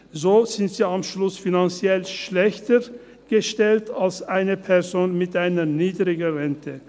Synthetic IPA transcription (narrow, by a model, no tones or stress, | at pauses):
zoːz̥ɪntz̥iːamʃlʊsfinant͡sjɛlʃlɛçtə | ɡ̥əʃtɛltʰalsʔaɪnəpʰɛɐzoːnmɪtʔaɪnəniːdʁɪɡʁɛntʰə